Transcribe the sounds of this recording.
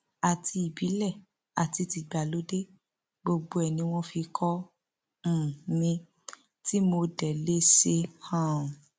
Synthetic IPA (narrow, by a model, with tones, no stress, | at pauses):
a˨tʰi˧i˨bi˨˦lɛ˦˨ | a˨ti˧ti˧ɡ͡ba˨lo˨˦de˦ | ɡ͡bo˧ɡ͡bo˧ɛ˨nĩ˧w̃ɔ̃˦fi˧kʰɔ̃˦˨ | nĩ˧ | ti˦mo˧dɛ˨le˦se˧hã˦˨